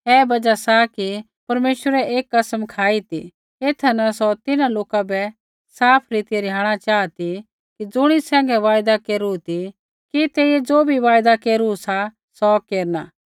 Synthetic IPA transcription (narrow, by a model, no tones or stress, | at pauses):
ɛːbɐd͡ʒasaki | pɐɾmeːʃwəɾɛʔeːkːɐsmkʰaːit̪ḭ | eːt̪ʰɐnasɔt̪ɪnãloːkabɛ | saːpʰɾiːt̪ɪjeɾɪɦaːɽ̃at͡ʃaːat̪i | kid͡zʊɽ̃isɛ̃ːŋɡɛʋaːjd̪akeːɾut̪i | kit̪eːied͡zoːbʱiʋaːjd̪akeːɾusa | sɔkeːɾnaː